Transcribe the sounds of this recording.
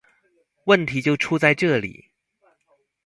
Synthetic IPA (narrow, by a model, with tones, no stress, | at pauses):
wə˥˩nt̪ʰi˨˧˥t͡ɕjo˥˩ʊʈ͡ʂʰu˥t͡sa˥˧ɪʈ͡ʂɤ˥˩lḭ˨˩˦